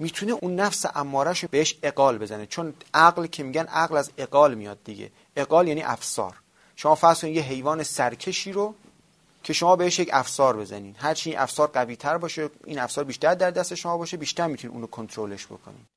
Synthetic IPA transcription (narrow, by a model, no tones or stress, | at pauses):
miːt̪ʰuneʔunːæfseʔæmːɒːɾæʃb̥eheʃe̞ɡɒːlbe̞zænet͡ʃʰonʔæɣlcʰe̞miːɟænʔæɣlæze̞ɡɒːlmijɒːd̪̚ːiɟḛ | eɡɒːljæːniːʔæfsɒ̰ːɾ | ʃomɒːfæɣz̥kʰoninjeɦe̞jvɒːnesæɾcʰe̞ʃiːɾo | cʰe̞ʃomɒːbe̞heʃjecʰæfsɒːɾbe̞zæ̰niːd̪ɦæɾt͡ʃʰiinʔæ̰fsɒːɾɢæviːt̪ʰæɾbɒːʃeḭnæfsɒːɾbiːʃt̪æɾd̪æɾd̪æst̪e̞ʃomɒːbɒːʃebiːʃt̪æɾmit̪ʰunḭʔuːnokʰont̪ʰɾole̞ʃb̥okʰo̰nḭː